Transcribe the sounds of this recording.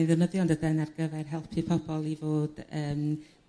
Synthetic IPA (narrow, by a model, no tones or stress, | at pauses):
nðənəðjɔndədanarɡəvɛrɦɛlˠpʰipʰɔbɔlˠivoːd̥əːm